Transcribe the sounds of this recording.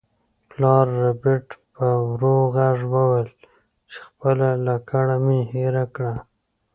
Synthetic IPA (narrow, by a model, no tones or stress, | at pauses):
plɑɾːabɪʈpəwɾoɣaʐwəwəl | t͡ʃe̥xpəlalakaɽameheɾakɽa